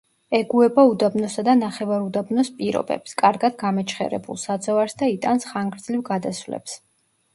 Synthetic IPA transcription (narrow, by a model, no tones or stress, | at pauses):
ɛɡuɛbaud̪abnɔsad̪anaχɛvaɾud̪abnɔspʼiɾɔ̰bɛ̰pskʼaɾɡad̪ɡamɛt͡ʃʰχɛ̰ɾɛ̰bṵlˠsad̪zɔvaɾsd̪ait̪ʼansχaŋɡɾd̪zlivɡad̪asvlɛ̰ps